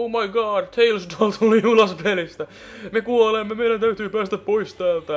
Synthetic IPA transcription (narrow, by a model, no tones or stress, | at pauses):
oʊmɑjɡɑːdt̪ʰeilsdolt̪ʰulːiulɑspelist̪æ | mekuolemːemeiɾænt̪æyt̪yːpæːst̪æppoist̪æːlt̪æ